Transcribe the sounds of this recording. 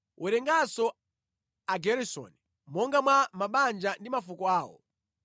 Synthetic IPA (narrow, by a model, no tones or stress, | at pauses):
ʔuɾɛŋɡasɔ | aɡɛɾisɔ̰ni | mɔŋɡamwamaɓand͡ʒandimafukɔaːwɔ̰